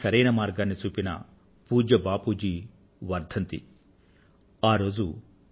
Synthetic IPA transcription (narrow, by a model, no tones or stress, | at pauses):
sɐɾɐjnɐmaːɾɡaːnːit͡ʃuːpinɐ̰ | puːd͡ʒɐbaːpuːd͡ʒi | ʋɐɾd̪ʱɐnt̪ḭ | aːɾo̞ːd͡ʒu